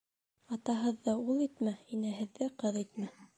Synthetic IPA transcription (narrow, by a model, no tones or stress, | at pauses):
ɑt̪ɑɦɤ̆ðːɤulˠit̪mæinæɦɘ̆ðːɘqɤðæjt̪̚mæ